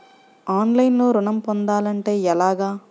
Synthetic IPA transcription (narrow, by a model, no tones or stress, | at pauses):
aːnlɐjnloːɾʊɳɐmpond̪aːlɐɳʈe̞ːɛlaːɡaː